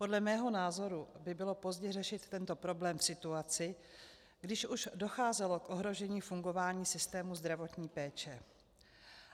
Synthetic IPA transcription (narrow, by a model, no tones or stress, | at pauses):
po̞dlɛmɛːɦo̞naːzo̞ɾubɪbɪlo̞po̞zɟɛrɛʃɪt̪ːɛnt̪o̞pɾo̞blɛːmfsɪt̪uat͡sɪ | ɡdɪʃuʃdo̞xaːzɛlo̞kʔo̞ɦɾo̞ʒɛɲiːfuŋɡo̞vaːɲiːsɪst̪ɛːmuzd̪ɾavo̞t̪ɲiːpɛːt͡ʃɛ